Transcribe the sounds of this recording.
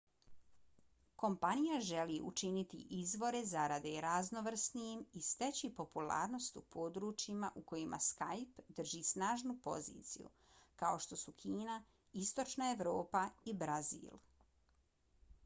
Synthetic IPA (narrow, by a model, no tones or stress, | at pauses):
ko̞mpanijaʒe̞liʔṵt͡ʃinit̪ḭʔizʋo̞ɾe̞zaɾad̪eɾazno̞ʋr̩snijimist̪e̞t͡ɕipo̞pula̰ːɾno̞st̪upʰo̞d̪ɾuːt͡ʃimaʔuko̞jimʔa̰skajpd̪r̩ʒiːsnaːʒnupo̞̰zḭːt̪sḭjṵ | kao̞ʃt̪o̞sukʰiːna | ist̪o̞t͡ʃnae̞ʋɾo̞ːpaibɾazḭːlˠ